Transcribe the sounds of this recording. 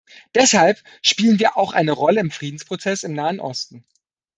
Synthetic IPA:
d̥ɛshalp | ʃpiːlənviːɐʔaʊxʔa̰ɪnəʁɔləɪmfʁ̥iːdn̩spʁ̥ot͡sɛsɪmnaːənʔɔ̰stn̩

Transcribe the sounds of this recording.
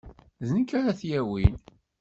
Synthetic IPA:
zənkːæɾæθjæwin

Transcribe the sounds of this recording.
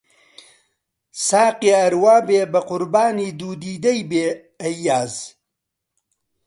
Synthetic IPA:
saːqiaɐɾwaːbeːbɐqʊɾbaːniːd̪uːd̪iːd̪ɐjbeː | ɐjːaːz

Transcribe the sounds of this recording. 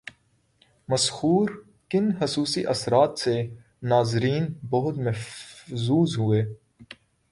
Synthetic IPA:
mɐshuːɾ | kɪnhɐsuːsiʔɐsɾaːt̪se | naːzɾiːnbɐɦʊt̪mẽzuːzɦʊeː

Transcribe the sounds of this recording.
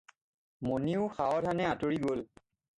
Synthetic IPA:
moniʊxaɔdʰʱanɛatoɹiɡol

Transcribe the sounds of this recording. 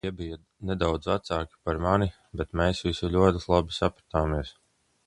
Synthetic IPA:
iɛbija | nɛd̪awd̪zvat̪saːkʲi̥paɾmani | bɛt̪meːsvisulʲuɔt̪islˠabi̥sapɾat̪aːmiɛs

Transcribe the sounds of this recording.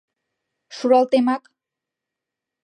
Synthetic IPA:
ʃuɾalt̪emak

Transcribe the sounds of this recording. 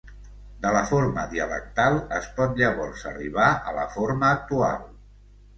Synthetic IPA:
d̪ələfoɾməðiələ̰k̚t̪alˠəspɔt̪̚ʒaβɔlˠsə̰riβ̞aələ̰foɾməːk̚t̪ua̰lˠ

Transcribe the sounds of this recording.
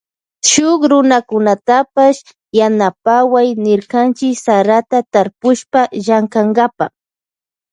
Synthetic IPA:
ʃʊkɾʊnakʊnat̪apaʃ | janapawajnɪɾkant͡ʃɪksaɾat̪at̪aɾpʊʃpaʒaŋkaŋɡapa

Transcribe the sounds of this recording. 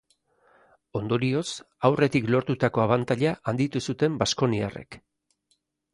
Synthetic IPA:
o̞nd̪o̞ɾio̞s | awre̞t̪iklo̞ɾt̪ut̪ako̞aβant̪aʎaʔand̪it̪usut̪e̞mbasko̞nia̰re̞̰k

